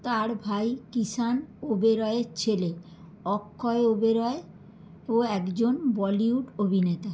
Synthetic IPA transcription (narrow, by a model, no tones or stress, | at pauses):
t̪aɾbʱajkisanobeɾɔeɾt͡ɕʰele | ɔkʰːɔeobeɾɔe | oɛkd͡ʑonbɔliuʈobʱinet̪a